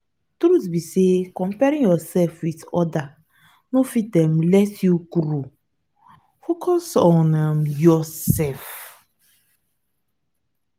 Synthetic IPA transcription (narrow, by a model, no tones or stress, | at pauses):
tɾusbisekɔ̃mpɛɾĩŋjɔsɛlfwitɔda | nofit̚dɛ̃mlɛtjuɡɾo | fokʰɔsɔ̃namjɔsɛlf